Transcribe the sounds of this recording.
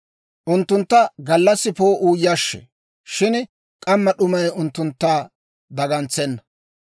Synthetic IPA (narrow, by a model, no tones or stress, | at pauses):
ʔʊnt̪ːʊnt̪ːɐɡɐlːɐsːɪpoːʔuːjɐʃːɛ̰ | ʃɪn | kʼɐmːɐɗʊmɐjʊnt̪ːʊnt̪ːaː | d̪ɐɡɐnt͡sːɛnːɐ̥